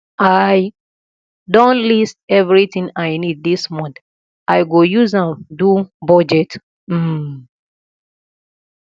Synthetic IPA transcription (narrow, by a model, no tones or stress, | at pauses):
aj | dɔ̃nlist̚ɛvɹitĩŋajnid̚ðismɔ̃nθ | ʔajɡojuzãmdubɔd͡ʒɛt | m̩